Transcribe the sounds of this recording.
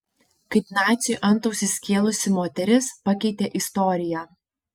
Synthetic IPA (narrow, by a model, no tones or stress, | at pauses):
kɐɪp̪ʲnɑːt͡ʃʲɪʔɐnˑt̪ɔʊsʲɪsʲkʲiɛlˠʊsʲɪmoːt̪ʲɛɾʲɪspɐkʲɛɪt̪ʲeːʔɪst̪ɔːɾʲɪjæː